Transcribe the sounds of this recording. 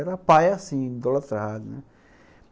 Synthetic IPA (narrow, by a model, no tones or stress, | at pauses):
ɾapaːjasĩːd̪ɔlət̪ɾɐɦaːd͡ʒn